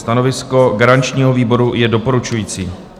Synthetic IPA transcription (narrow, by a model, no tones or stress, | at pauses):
st̪ano̞vɪsko̞ɡaɾant͡ʃɲiːɦo̞viːbo̞ɾujɛdo̞po̞ɾut͡ʃujiːt͡siː